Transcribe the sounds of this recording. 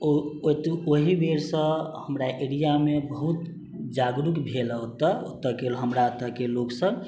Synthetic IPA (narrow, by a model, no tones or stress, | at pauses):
oot̪ooɦibeɾsə̃həmɾaʔeɾijamebəɦut̪ | d͡ʒaɡɾukbʱeləɦot̪ət̪əkeɦəmɾat̪əkeloksə̃b